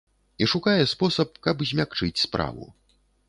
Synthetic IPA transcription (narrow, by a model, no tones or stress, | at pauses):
iʂukajɛspɔsɐp̚kɐbzʲmʲakt͡ʂɨt͡sʲspɾa̰vṵ